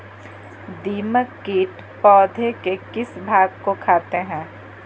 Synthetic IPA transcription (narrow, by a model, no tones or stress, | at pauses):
d̪iːməkːiːʈ | pɔːd̪ʱekekɪsbʱaːɡkokʰaːt̪eɦɛ̃ː